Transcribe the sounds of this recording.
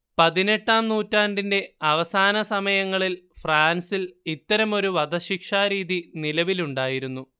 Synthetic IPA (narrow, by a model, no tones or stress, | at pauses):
pɐðine̞ʈːaːmnuːtːaːndinde̞ɐʋɐsaːnɐsɐmɐjɐŋːɐɭilfraːnsilit̪ːɐɾɐmo̞ɾuʋɐd̪ɐɕikʂaːɾiːðinilɐʋiluɳɖaːjiɾunːu